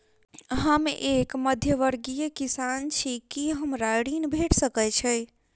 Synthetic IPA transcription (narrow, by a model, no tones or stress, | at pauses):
ɦəmekməd̪ʱjəʋəɾɡijəkisant͡ʃʰikiɦəmɾaɽinbʱeʈʰsəkɛt͡ʃʰəj